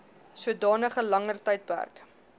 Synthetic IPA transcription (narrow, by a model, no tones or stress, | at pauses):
suədɑːnəχəlɐŋərtɐjt̚pæ̰rk